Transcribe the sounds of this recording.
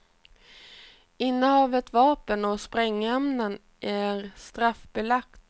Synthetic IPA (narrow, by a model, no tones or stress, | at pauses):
ɪnːəhɑːvət̪vɑːpənɔspɾɛŋːɛmnən | ʔæɾst̪ɾafbɛlak̚t̪